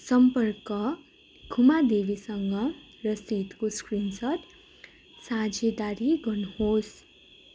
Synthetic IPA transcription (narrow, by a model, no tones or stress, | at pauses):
sʌmpʌrkʌ | ɡʱumad̪ebisʌŋɡʌ | rʌsit̪koskrinsʌd̪ | sãd͡zed̪aɾiɡʱʌnuhos